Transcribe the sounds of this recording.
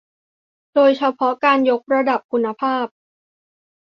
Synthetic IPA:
doː˧jt͡ɕʰa˧pʰɔ˦˥kaː˧njo˦˥k̚ɾa˧da˨˩p̚kʰu˧nːa˧pʰaː˥˩p̚

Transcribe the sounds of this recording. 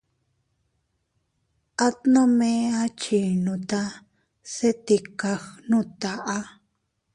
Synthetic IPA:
a˦t̪nõ˦mẽ˦a˦t͡ʃi˨nũ˧t̪a˧ | se˦t̪i˧ka˧xnũ˦˨t̪a˨ʔa˦

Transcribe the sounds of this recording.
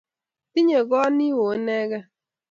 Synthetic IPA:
ti˦ɲe˨ɡɔ˦ni˦wo˨˦nɛ˦ɡa˦

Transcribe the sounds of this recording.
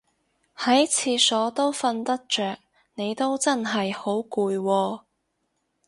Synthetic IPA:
hɐ˨˥jt͡sʰiː˧sɔː˨˥t̪o˥wfɐ˧nt̪ɐ˥k̚t͡ʃœː˨k̚ | ne˨˧jt̪o˥wt͡sɐ˥nɦɐ˨jho˨˥wkuː˧jwɔː˧

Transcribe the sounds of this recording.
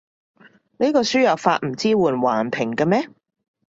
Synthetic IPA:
ne˥kɔː˧syː˥jɐ˨˩wfa̰ː˧t̚m̩˨˩t͡siː˥wuː˨˩nwaː˨˩npʰɪ˨˩ŋkɐ˧mɛː˥

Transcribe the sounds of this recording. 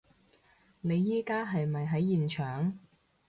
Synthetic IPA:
ne˨˧jːiː˥kaː˥ɦɐ˨jmɐ˨jɦɐ˨˥jːiː˨nt͡ʃʰœː˨ŋ

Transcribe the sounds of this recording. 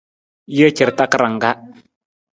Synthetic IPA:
jə˦t͡ʃə˨ɾta˦kə˦ɾa˨ŋ˨ɡa˦

